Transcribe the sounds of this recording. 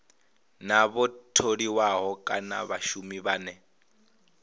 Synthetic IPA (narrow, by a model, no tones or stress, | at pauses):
naβɔtʰoɺiwaɦɔkʼa̰na̰βaʃumiβaːnɛ